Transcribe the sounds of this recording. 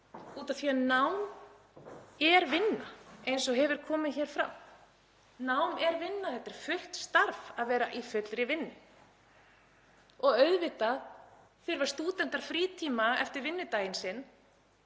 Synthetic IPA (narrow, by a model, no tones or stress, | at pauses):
uːt̪aθvianawm | ɛɾvɪnːaejnsɔɦɛvɪɾ̥kʰɔːmɪðçɛːɾ̥fɾa̰m | nawmɛɾvɪnːaθɛht̪ɪɾ̥fʏht̪st̪aɾvaðvɛːɾaʔifʏt̪lɾɪvɪnːʏ | ɔɣœɥðvɪt̪að | fɪɾvḁst̪uːt̪ɛn̥t̪aɾ̥fɾiːt̪ʰiːmaɛft̪ɪɾvɪnːʏt̪aːjɪnsɪnː